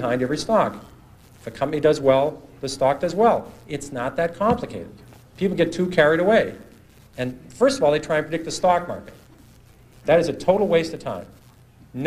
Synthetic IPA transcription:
hãɪ̃ndɛvɹistɑk | ɪfɨkʰʌ̃mpɨnidʌzwɛlˠðɨstɑk̚d̥ʌzwɛlˠɪtsnət̪̚ðɨt̚kʰɑ̃mplɨkʰeɪɾɨ̰d̚ | pʰipl̩ˠɡɛtʰʉkʰɛɹiɾəweɪ | ɨ̃nfɜ˞stʌvɔlˠðeɪtʰɹ̥aɪɨ̃npʰɹɨdɪk̚t̪̚ðɨstɑk̚mɑ̰ɹkɨt̚ | ðɨɾɨzɨtʰoʊɾl̩ˠweɪstɨ̥tʰã̰ɪ̃m | n

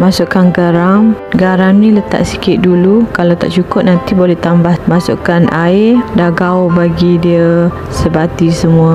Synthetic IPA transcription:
masuʔkanɡaɾaŋɡaɾaŋnĩlət̪a̰ʔsi̥kɪt̪̚dulukalawt̪a̰ʔt͡ʃukʊp̚nant̪ibolɛht̪ambahmasṵʔkanʔaɪdaɡaʊbaɡidiə | səbat̪isəmuə

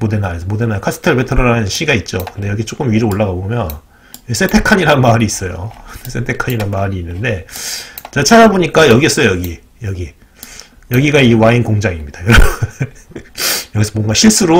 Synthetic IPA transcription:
modenaesʰʌmodenakʰas͈ʰɯ̥tʰɯɭbetʰɯɾʌɾanɯɯnɕʰiɡait̚t͡ɕ͈okɯnde̞jʌɡit͡ɕ͈ok͈ɯmɥiɾooɭːaɡabomjʌn | jʌsʰetʰe̞kʰaɲiɾanmaɾiːs͈ʌjo̰s͈ʰetʰekʰaɲiɾanmaɾiːnːɯnde̞ | t͡ɕat͡ɕʰad͡ʑaboɲik͈ajʌɡiʌs͈ʌjojʌɡi | jʌɡi | jʌɡiɡaiwainkoŋd͡ʑaŋimɲid̥ajoɾʌ | jʌɡisʰʌmwʌŋɡaɕʰiɭs͈uɾo

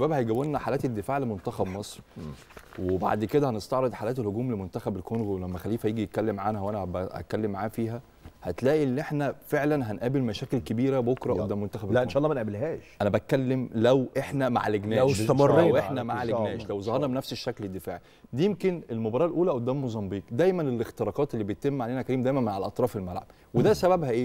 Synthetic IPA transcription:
ʃæbæːbhæjɡæwːenːæħalæːt̪ed̪ːefaːʕlemont̪æxæbmɑsˤɾ | weba̰ʕd̪ked̪æhænest̪ɑʕɾed̪ˤħalæːt̪elhoɡuːmlemont̪æxæbelkonɣolæmːæxælːiːfhæjiːɡijet̪̚kælːemʕanhæwænæbææ̰kælːemːaʕaːfiːɦæ | hæt̪læːʔielːʔeħnæfeʕlænɦænʔæːbelmæʃæːkelkebiːɾæbokɾˤɑʔod̪ːæːmont̪æxæbeʔenʃɑʔlˤːɑmænʔæbelɦæːʃʔænæbæt̪̚kælːemlæwʔeħnæma̰ʕleɡnæːsmɑrːʔeħnæmaʕleɡnæːʃlæwzˤɑhɑɾˤnɑbenæfseʃːækled̪ːefa̰ːʕi | d̪iːjemkenelmobɑɾˤɑːlʔuːlæʔod̪ːæːmmozˤɑmbiːqd̪æjmænelext̪eɾˤɑːqɑːt̪elːiːbeet̪ːemːʕaleːnækæɾiːmd̪æːjmænmaʕælʔɑt̪ˤɾɑːfelmælʕa̰b̥ | wed̪æsæbæbhæʔeː

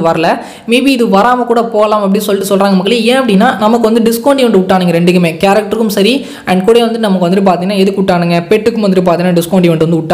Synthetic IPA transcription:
ʋɐɾɐlɐ | meːbiɪðɯʋɐɾaːmɐkuːɽɐpoːɣɐlaːmɐp̬ːɐɽɪnsɔlːɪʈːɯsɔlɾaːŋɡɐmɐkːɐɭɐẽːɐpːɐɽɪnːaːnɐmɐkːɯʋɐnd̪ɯɖɪskoːɳʈiʋɐɳɖɯʊʈːaːnɯŋɡɐɾɛɳɖɯk̬ːɯmeːkaːɾɐk̚ʈɐɾɯkːɯmsɐɾi | ɐɳɖkuɽɐjɐʋɐnd̪ɯnɐmɐkːɯʋɐnd̪ɯp̬aːɾt̪iŋɐnaːɛðɯkːɯʊʈːaːnɯŋɡɐpɛʈːɯkːɯmʋɐnd̪ɯɾɯp̬aːɾt̪iŋnaːɖɪskoːɳɖiʋɐɳɖɯʋɐnd̪ɯʊʈːaː

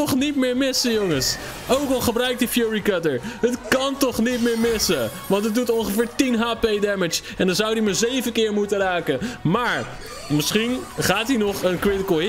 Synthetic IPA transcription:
ɔχnitmɪːɹmɪsəjoŋəs | owkɑlˠχəbrœɥk̚dəfjuɹikətəɹɦətkɑntɔχnitmɪːɹmɪsəʋɑntɦət̚dutɔnχəfɪːɹtinɦaːpejdɛmɪt͡ʃ | ɛndɑnzɑwdimazejvəkɪːɹmutəraːkəmaːɹ | mɪsχinχaːtinɔχənkrɪtəkəlˠ

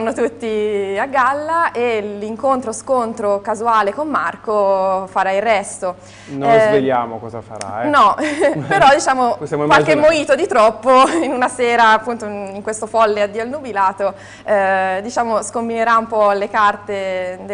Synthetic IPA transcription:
nːot̪ut̪ːiaɡːalːaʔeliŋkont̪ɾoskont̪ɾokazuaːlekomːarkofaɾairːɛst̪o | nozveljaːmokɔza̰fa̰ɾa̰ɛnɔpeɾɔd̪it͡ʃaːmosjamoiwalkemːoiːt̪od̪it̪ɾɔpːoinunasɛːɾaːpːunt̪oiŋkwest̪ofɔlːead̪iːalnubilaːt̪o | ɛd̪it͡ʃaːmoskombineɾaumpɔlekart̪ed̪

